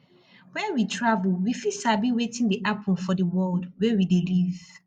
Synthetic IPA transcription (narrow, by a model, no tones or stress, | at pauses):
wɛwitʰɹavulwifisabiwetɪ̃ŋdiʔapʰɔ̃nfɔdəwɔldwɛwideliv̥